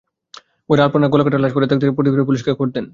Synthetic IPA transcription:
oɾalpoɾnaɡolakoʈaɾlad͡ʑkoɾet̪ak̚t̪ʰekepɾot̪ikɾoepuliʃkakoɾt̪en

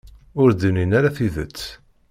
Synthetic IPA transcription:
ʊɾd̪əninæɾaθiðə̰t͡sː

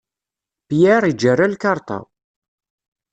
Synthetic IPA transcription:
pjaɾˤid͡ʒːərːalkɑɾˤt̪ˤɑ̰

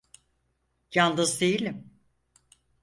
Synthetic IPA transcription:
janˠd̪ɯzd̪ejilʲim

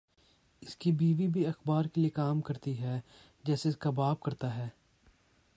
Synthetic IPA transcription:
ɪskibiːʋibʱiɐxbaːɾkeliekaːmkɐɾt̪iɦɛː | d͡ʒɛːseɪskabaːb̚kɐɾt̪aɦɛː

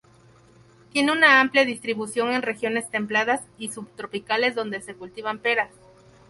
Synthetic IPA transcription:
t̪je̞neunaampljaðist̪ɾiβusjo̞ŋe̞nre̞xjo̞ne̞st̪e̞mplaðasisuβt̪ɾo̞pikale̞zðo̞nd̪e̞se̞kult̪iβampe̞ɾas

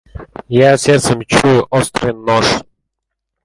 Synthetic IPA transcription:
jasʲɛrt̪səmʲt͡ɕuʔɔst̪ɾənːɔʂ

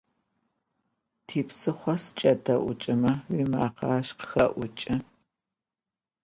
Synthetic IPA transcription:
tʰiːpsɨχʷɔst͡ʃʼɐdɐʔʷʊt͡ʃʼɪmɐwiːma̰ːqɑːʃqə̥xɐʔʷʊt͡ʃʼɪ

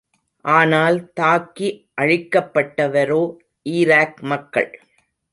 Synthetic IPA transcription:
ʔaːnaːlt̪aːkːiʔɐɻɪkːɐpːɐʈːɐʋɐɾoː | ʔiːɾaːkmɐkːɐ̰ɭ

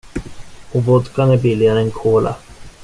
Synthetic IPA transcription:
ɔvɔd̪kanæɾbɪlːɪɡaɾəɛnkʰoːla̰

